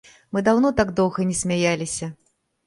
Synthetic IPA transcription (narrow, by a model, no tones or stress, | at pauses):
mɨd̪awnɔt̪aɡd̪ɔwɣɐnʲɛsʲmʲajalʲisʲɐ